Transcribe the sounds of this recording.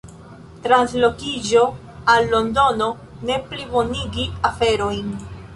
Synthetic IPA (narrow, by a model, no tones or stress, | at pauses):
tɾanslo̞kid͡ʒo̞ | alːo̞ndo̞no̞ | ne̞plibo̞niɡiafe̞ɾo̞jn